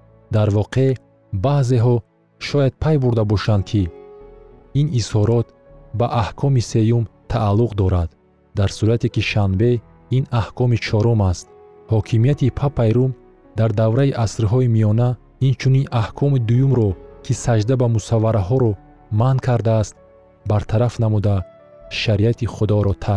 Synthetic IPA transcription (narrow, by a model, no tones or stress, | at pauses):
d̪aɾvɔqʰe̞ | baze̞ɦɔ | ʃɔjad̪̥̚pʰajbuɾd̪abɔʃand̪̚kʰi | inishɔɾɔt̪ | baʔahkʰɔmise̞jumt̪ʰaːlːuqd̪ɔɾad̪ | d̪aɾsuɾat̪ʰekiʃanbe̞ | inahkʰɔmit͡ʃʰɔɾɔmast̪̚ | hɔkʰimijat̪ʰipʰapʰajɾum | d̪aɾd̪avɾaiʔasɾɦɔimijɔna | int͡ʃʰuninʔahkʰɔmid̪ujumɾɔkʰisad͡ʒd̪abamusavːaɾaɦɔɾɔ | mankʰaɾd̪aːst̪̚ | baɾt̪ʰaɾafnamud̪a | ʃaɾiat̪ʰiχud̪ɔɾɔt̪ʰa